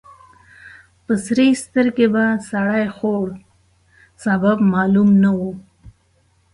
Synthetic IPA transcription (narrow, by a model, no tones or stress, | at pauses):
pəsɾest̪əɾkebasaɽajxoɽ | sababmɑlumnawu